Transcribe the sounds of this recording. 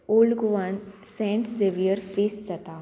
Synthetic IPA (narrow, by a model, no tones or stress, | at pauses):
oːlɖɡuʋan | sẽːɳʈzeʋijəɾfeːsd͡zɐt̪a